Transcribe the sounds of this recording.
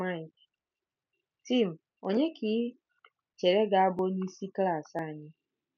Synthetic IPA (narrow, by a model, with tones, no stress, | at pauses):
ma˦˨jk | ti˦˨m̩˨ | o˦ɲe˦kʰi˦ | t͡ʃe˨ɾe˦ɡa˨a˦bo˦ɲi˦si˦kla˦˨sa˦˨ɲɪ˦